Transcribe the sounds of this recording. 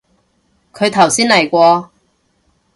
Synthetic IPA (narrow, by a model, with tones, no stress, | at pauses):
kʰɵ˨˧ɥt̪ʰɐ˨˩wsiː˥nlɐ˨˩jkʷɔː˧